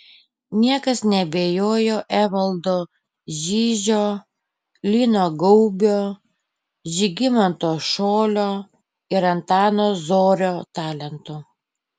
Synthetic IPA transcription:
nʲiɛkɐsnʲɛbʲeːjoːjoːʔæːʋɐlˠd̪oː | ʒʲiːʒʲoː | lʲiːnoːɡɔʊbʲoː | ʒʲɪɡʲɪmɐnt̪oːʃoːlʲoː | ɪɾɐnt̪ɑːnoːzoːɾʲoːt̪ɑːlʲɛnt̪ʊ

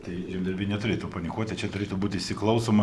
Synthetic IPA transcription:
t̪ɐɪʒʲɪmʲd̪ʲɐɾʲbʲɪnʲɛt̪ʊɾʲeːt̪upɐnʲɪkoɔt̪ʲt̪ʲɐt͡ʃʲɛt̪ʊɾʲeːt̪ʊbuːt̪ʲɪʃʲsʲɪklˠɐʊsoːmɐ

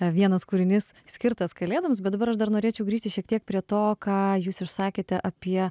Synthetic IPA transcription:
ʋʲiɛnɐskuːɾʲɪnʲɪssʲkʲɪɾt̪ɐskɐlʲeːd̪ɐʋms̬bʲɛt̪d̪ɐbɐɾɐʃd̪ɐɾnoːɾʲeːt͡ʃʲɛʊɡɾʲiːʃʲt̪ɪʃʲiɛk̚t̪ʲiɛk̚pʲɾʲiɛt̪oːkɑːjuːsɪʃsɑːkʲeːt̪ʲɛʔɐpʲiɛ

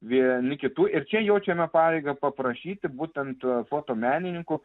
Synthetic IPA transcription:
ʋʲiɛnʲɪkʲɪt̪uːʔɪrt͡ʃʲɛjɛʊt͡ʃʲɛmʲɛpɑːɾʲeɪɡɐpɐpɾɐʃʲiːt̪ʲɪbuːt̪ʲɛnt̪foːt̪oːmʲæːnʲɪnʲɪŋkʊ

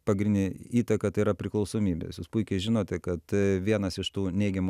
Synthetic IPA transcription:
pɐɡɾʲɪnʲd̪ʲɪiːt̪ɐkɐt̪ɐɪiːɾɐpʲɾʲɪklˠɐʊsoːmʲiːbʲḛsjuːspʊɪkʲɛɪʒʲɪnoːt̪ʲɛkɐt̪ʋʲiɛnɐsɪʃt̪uːnʲɛɪɡʲɛmu

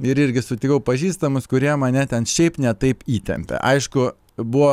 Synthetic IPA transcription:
ɪɾɪɾʲɡʲɪsʊt̪ʲɪkɐʊpɐʒʲiːst̪ɐmʊskʊɾʲiɛmɐnʲɛt̪ʲɛnʃʲɛɪpnʲɛt̪ɐɪpiːt̪ʲɛ̰mʲpʲɛ̰ʔɐɪʃkʊ | bʊʋoː

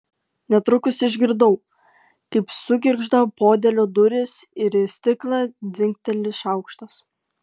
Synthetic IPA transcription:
nʲɛt̪ɾʊkʊsʲɪʒʲɡʲɪɾd̪ɐʊ | kɐɪpsʊɡʲɪɾɡʒd̪ɐpoːd̪ʲɛlʲod̪ʊɾʲɪsɪɾɪsʲt̪ʲɪklˠɑd̪zʲɪŋʲkt̪ʲɛlʲɪsʃɑˑʊkʃt̪ɐs

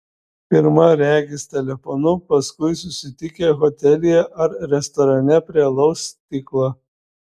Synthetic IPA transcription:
pʲɪɾmɐɾʲæːɡʲɪst̪ʲɛlʲɛfɔnʊpɐskʊɪs̬ʊsʲɪt̪ʲɪkʲeɣɔt̪ʲɛlʲɪjɛʔɐɾɾʲɛst̪ɔɾɐnʲɛpʲɾʲiɛlˠɐʊst̪ʲiklˠɑ

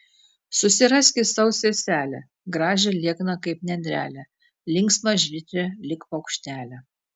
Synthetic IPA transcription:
sʊsʲɪɾɐsʲkʲɪsɐʊsʲɛsʲæːlʲɛ̰ | ɡɾɑːʒʲɛlʲiɛknɐkɐɪpnʲɛd̪ʲɾʲæ̰ːlʲɛ | lʲɪŋksmɐʒʲʋʲɪt̪ʲɾʲɛlʲɪkpɐʊkʃʲt̪ʲæːlʲɛ

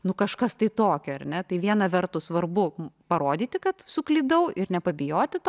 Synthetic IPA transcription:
nʊkɐʃkɐst̪ɐɪt̪oːkʲɛɐrnʲɛt̪ɐɪʋʲiɛnɐʋʲɛɾt̪ʊsʋɐrbʊpɐɾoːd̪ʲiːt̪ʲɪkɐt̪sʊklʲiːd̪ɐʊʔɪɾnʲɛpɐbʲɪjoːt̪ʲɪt̪o

